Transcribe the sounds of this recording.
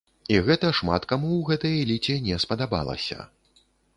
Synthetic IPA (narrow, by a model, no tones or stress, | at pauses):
iɣɛt̪ɐʂma̰t̪kamuwɣɛt̪ɐjɛlʲit͡sʲɛnʲɛspɐd̪aba̰lˠɐ̰sʲɐ̰